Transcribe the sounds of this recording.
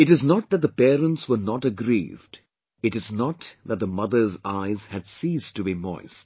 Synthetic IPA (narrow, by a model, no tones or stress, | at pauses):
ɨɾɨznɔt̪̚ðɨt̪̚ðəpɛːɾə̃ntswə˞nɔʈəɡɾḭvd | ɨɾɨznɔt̪ðæt̪̚ðəmʌðə˞zaɪzhɨdsiztʰɨbimɔ̰ɪs